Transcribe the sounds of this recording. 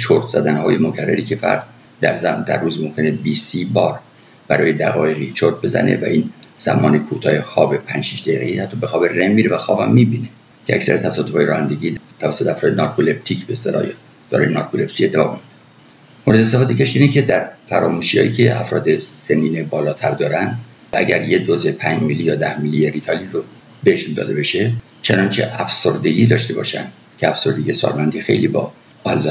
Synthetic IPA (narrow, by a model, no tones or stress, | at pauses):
t͡ʃʰoɾt̪ʰz̥æd̪ænhɒːjemokʰærːæ̰ɾiːkʲʰe̞fæ̰ɾd̪ | d̪æ̰ɾzæd̪æ̰rːuːzmomkʰe̞nebisibɒːɾ | b̥æɾɒːjed̪æ̰ɣɒːjeɣit͡ʃʰoɾt̪̚be̞zæ̰nʔe̞̰væʔiːnz̥æ̰mɒːnekʰut̪ʰɒːjexɒːbepʰænd͡ʒʃiʃd̪æiɣeiːhæt̪ʰːɒbexɒːbe̞remmiːɾevæxɒːbhæ̰mːibine̞ | cʰeækcʲsæ̰ɾet̪ʰæsɒːd̪ofɒːjeɾɒːhænd̪e̞ɡiːt̪ʰævæsːot̪eɛæfɾɒːd̪enɒɾkʰole̞p̚t̪ʰicʰbest̪elɒ̰ːj | d̪̥ɒ̰ːɾɑ̰jenɒːɾkʰole̞psiːet̪ʰːeɒ̰ːɣmid̪e | moɾe̞d̪esæfɒːd̪ecʲʰeʃt̪iːnecʰe̞d̪æɾfæɾɒːmuːʃijhɒ̰ːjḭːcʰe̞æ̰fɾɒːd̪e̞seniːnebɒːlɒːt̪ʰæɾd̪ɒːɾænd̪ | vææ̰ɟæɾjed̪oze̞pʰæɲd͡ʒmilːijɒːd̪æhmilːieɾit̪ʰɒliro | beheʃund̪ɒ̰ːd̪e̞be̞ʃe̞ | t͡ʃʰenɒnt͡ʃʰe̞̰ʔæfsoɾd̪e̞ɡʲiːd̪ɒːʃt̪e̞bɒ̰ːʃæ̰nd̪̥ | cʰeæfso̞ɾd̪eɟiesɒ̰ːlmænd̪ixe̞̰jliːbɒ | ɒlzɒ